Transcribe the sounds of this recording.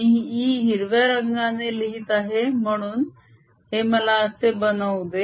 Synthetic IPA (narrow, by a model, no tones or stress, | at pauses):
iɦiiɦiɾʋjaɾəɡŋaneliɦit̪aɦem̤əɽ̃uːn | ɦeməlaəsebənəʋd̪e